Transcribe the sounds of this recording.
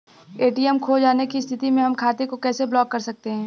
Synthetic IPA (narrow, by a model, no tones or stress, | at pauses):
eːʈiːɛmkʰod͡ʒaːnekist̪ʰɪt̪imẽɦɐmkʰaːt̪ekokɛːseblɔːkːɐɾsɐk̚t̪eɦɛ̃ː